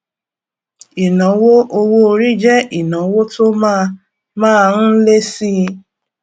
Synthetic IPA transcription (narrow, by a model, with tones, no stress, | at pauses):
i˨nɔ̃˨˦wo˦ʔo˧wo˧ɾi˦d͡ʒɛ˦i˨nɔ̃˨˦wo˦to˦ma˦ | mãː˦˨˧n̩˦le˦si˦